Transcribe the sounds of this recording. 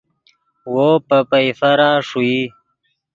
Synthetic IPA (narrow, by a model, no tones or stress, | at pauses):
wopəpajfaɾaːʂui